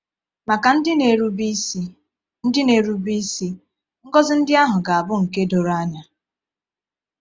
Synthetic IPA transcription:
ma˨ka˨n̩˦dɪ˦ne˨ɾu˦bi˦si˦ | n̩˦dɪ˦ne˨ɾu˦bi˦si˦ | ŋ̩˦ɡɔ˦zɪ˦n̩˦dɪ˦a˦ɦʊ˨ɡa˨a˨bʊ˦ŋ̩˨ke˦do˨ɾa˦ɲa˨

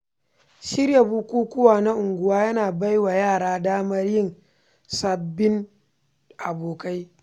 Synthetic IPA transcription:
ʃɪ˦ɾja˨buː˦kʷuː˦kʷʊ˦waː˨na˦ʔʊ˨ŋɡʷʊ˦waː˦jɐ˦naː˨ba˦jwa˨jaː˦˨ɽaː˦daː˦mɐ˦rjɪ˦˨n | sɐ˨bːɪ˦ŋ | ʔa˨boː˨ka˦j

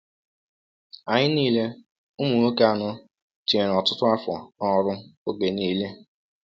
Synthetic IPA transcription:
a˨ɲɪ˦niː˦le˦ | u˦mu˨ŋo˦ke˦a˨nʊ˦ | ti˨e˨ɾɔ˨tʊ˦tʊ˦a˦fɔ̰˨nɔ˦˨˦ɾʊ˦o˦ɡe˨niː˦le˦

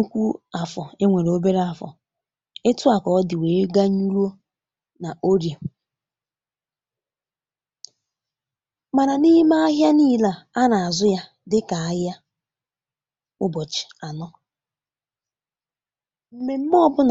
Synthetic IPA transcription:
u˦kʷu˦a˨fɔ˨e˦ŋʷe˨ɾo˦be˦ɾe˦a˨fɔ̰˨ | e˦tu˦a˨kɔ˨ɔ˦dɪ˨weː˨e˦ɡa˦ɲu˦ɾu˦o˦ | na˨ʔo˦ɾje˨ | ma˨ɾa˨ni˦ma˦a˦ɦja˦niː˦la˨a˦na˨a˨zʊ˦ja˦ | dɪ˦ka˨a˦a˦ | ʊ˦bɔ˨t͡ʃɪ̥˨a˨nɔ˦ | m̩˨me˨m̩˦m˦ɔ˦bʊ˦n˨

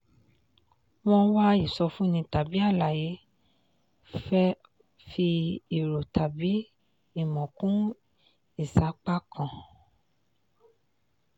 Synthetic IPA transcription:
w̃ɔ̃˧wa˦i˨sɔ˧fũ˦nĩ˧ta˨bi˨˦a˦˨la˨je˨˦ | fɛ˦ | fi˧i˦˨ɾo˨tʰa˨bi˨˦ | i˦˨mɔ̃˨kũ˦ | i˦˨sa˨˦k͡pa˦kʰã˨

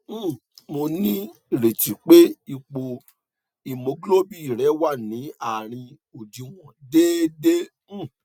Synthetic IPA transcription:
mo˧nĩ˦˨ɾe˨ti˨k͡pe˦i˧k͡po˧ | i˨mo˨˦ɡlo˦bi˦˨i˨ɾɛ˨˦wa˦˨nĩ˨˦a˨ɾ̃ĩ˧ | o˨di˧w̃ɔ̃˨de˦de˦˨

